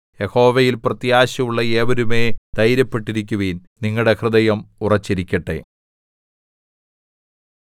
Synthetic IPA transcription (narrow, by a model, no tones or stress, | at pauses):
jeho̞ːʋejilprɐt̪jaːɕɐuɭːɐeːʋɐɾume̞ːd̪̥ɐjɾɐpːe̞ʈːiɾikʲːuʋiːnniŋːɐɭɽe̞krɨðɐjɐmurɐt͡ɕːiɾikʲːɐʈːe̞̰